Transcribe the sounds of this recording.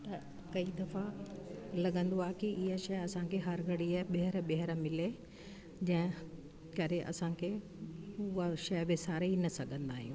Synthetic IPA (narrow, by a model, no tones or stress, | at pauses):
t̪ɐ | kɐid̪ɐfa | lɐɠə̃nd̪oaːɦkiʔɪɦaʃɐjɐsãkʰeɦɐɾɡɐɽiaɦɓɐɦɪɾɓeɦɪɾmɪle | d͡ʑɐ̃ɦɪ̃ | kɐɾeʔɐ̰sãkʰe | ʊaʃɐjbɪsaːɾeinɐsɐɡʱə̃nd̪aːɦijũː